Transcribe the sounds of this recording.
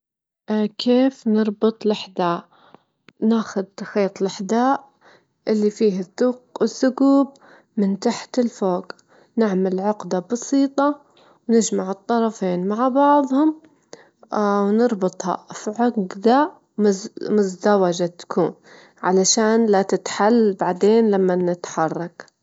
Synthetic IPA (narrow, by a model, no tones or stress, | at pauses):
kʰeːfnɨɾˤbɨt̪ˤlɪħd̪aːʔ | naːxʊd̪̚t̪axeːt̪ˤlɪħd̪aːʔ | ʔɪlːifiːhɪθːʊqɪsːʊɡuːb̚ | mɪnt̪aħt̪ɪlfoːɡ | nɪʕmalʕʊɡd̪abɑsiːt̪ˤɑ | wnɪd͡ʒmaʕɨt̪ˤːɑɾˤɑfiːnmaʕbɑʕðˤhʊm | wnɨɾˤbɨt̪ˤhɑ̰fiʕʊɡd̪a | mʊzd̪awad͡ʒat̪ḁkʰuːn | ʕa̰laʃaːnlat̪ɪt̪ħalːbaʕd̪eːnlamːanɪt̪ħɑrˤːɑk